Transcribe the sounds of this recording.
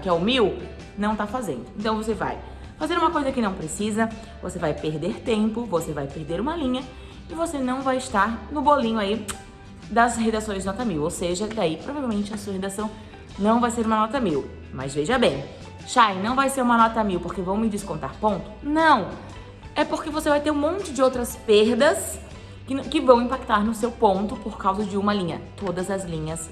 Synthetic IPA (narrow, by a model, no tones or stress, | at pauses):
kɪɛʊmiw | nɐ̃w̃t̪afazḛ̃nd̪ʊẽnt̪ɐ̃w̃vos̬eva̰j | fazeɾũmɐkojzɐkɪnɐ̃w̃pɾesizɐ | vo̰sevajpeɾd̪eɾt̪ẽmpʊvosevajpeɾd̪eɾũmɐlĩɲɐ | ɪvosenɐ̃w̃vajɪst̪aɾnʊbolĩɲʊai | d̪ɐzhed̪asõj̃znɔt̪ɐmiwowseʒɐd̪aipɾoɔvavewmẽnt͡ʃɪɐsuɐhed̪asɐ̃w̃ | nɐ̃w̃vajseɾumɐnɔt̪ɐmiw | mɐ̰zveʒɐbẽj̃ | ʃajnɐ̃w̃vajseɾũmɐnɔt̪ɐmiwpoɾkevɐ̃w̃mɪd͡ʒɪskõnt̪aɾpõnt̪ʊ̥nɐ̃w̃ | ɛpoɾkevosevajt̪eɾũmõnt͡ʃɪd͡ʒɪowt̪ɾɐspeɾd̪ɐs | kɪkɪvɐ̃w̃ĩpak̚t̪aɾnʊsewpõnt̪ʊpoɾkawzɐd͡ʒɪũmɐlĩɲɐ̰t̪od̪ɐzɐzlĩɲɐs